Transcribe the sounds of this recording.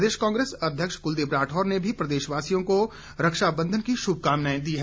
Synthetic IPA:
d̪eːʃkãːŋɡɾeːsɐd̪ʱjəkʃkʊld̪ebɾaːʈʰɔːɾnebʱipɾɐd̪eːʃʋaːsijõko | ɾɐkʃabə̃nd̪ʱənkiʃʊb̚ʱkaːmnaːẽd̪iːɦɛ

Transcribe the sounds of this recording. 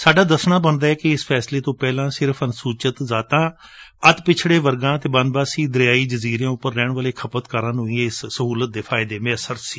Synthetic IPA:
saːɖaːd̪əsnaːbənd̪aːɛːkɪɪspʰɛːsleːt̪õːpɛːlãːsɪɾəpʰənsuːt͡ʃət̪zaːt̪ãːət̪pɪt͡ʃʰɽeːʋəɾɡãːt̪eːbənbaːsiːd̪əɾɪjaːiːd͡ʒəziːɾjãːʊpːəɾːɛːɳʋəːleːkʰəpət̪kəɾãːnũːĩːeɪsːəɦuːlət̪̚d̪eːpʰaːɪd̪eːmɪəsəɾsiː

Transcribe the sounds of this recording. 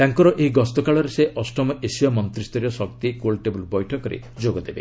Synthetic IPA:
t̪aŋkɔɾɔʔeɦiɡɔst̪ɔkaɭɔɾeseʔɔsʈɔmɔʔesijɔmɔnt̪ɾist̪ɔɾijɔsɔkt̪ikolʈebulbɔjʈʰɔkɔɾḛ | d͡ʒoɡɔd̪ebḛ

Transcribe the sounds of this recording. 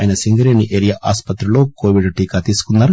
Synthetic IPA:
aːjɐnɐsiŋɡɐɾeːniʔeːɾijaːʔaːspɐt̪ɾulo̞ːkoːʋiɖʈiːkaːt̪iːsu̥kunːaːɾu

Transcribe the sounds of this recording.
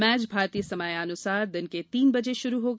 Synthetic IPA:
mɛːt͡ʃbʱaːɾt̪ijəsɐmaːjɐnʊsaːɾd̪ɪnket̪iːnbɐd͡ʒeʃʊɾuɦoːɡ

